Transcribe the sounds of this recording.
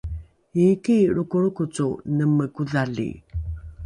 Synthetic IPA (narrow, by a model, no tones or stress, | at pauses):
ikiɾukuɾukut͡sunəməkuðalḭ